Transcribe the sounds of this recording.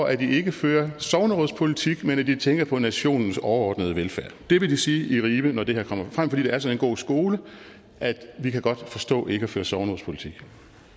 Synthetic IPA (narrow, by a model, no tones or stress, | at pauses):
ɒʔæd̥ie̝ɡ̥əføːɐsɒʊnəʁɔðˠspʰo̝lit͡sʰiɡ̥menæd̥it͡sʰeŋɡ̥ɐpʰɒ̽næɕo̝̰ːnn̩sɒʊɐɒ̰ːd̥nəð̞ˠəʋelfæɐ̰d̥e̝ʋe̝disiːʔiʁiːb̥ənɒd̥e̝heɐ̰kʰɒ̽m̰ɐfʁam̰fɒ̽dḭːd̥eæɐsɒ̽ne̝nɡ̥o̝̰ːsɡ̥o̝ːlə | ʔæd̥ʋikʰæɡ̥ɒ̽d̥fɒ̽sd̥ɔ̰ːʔe̝ɡ̥əɒføːɐsɒʊnəʁopʰo̝li̥t͡sʰiɡ̥